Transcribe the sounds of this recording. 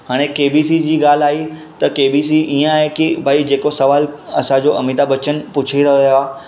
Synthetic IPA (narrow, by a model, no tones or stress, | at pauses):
ɦaːɽ̃ẽkeːbiːsiːd͡ʑiːɡaːl̤aːit̪ɐkeːbiːsiʔiːə̃aːɦekɪbʱaːid͡ʑeːkosɐʋaːlɐsãd͡ʑoʔɐmiːd̪abɐt͡ɕən̆pʊt͡ɕʰiɾɐɦojoaː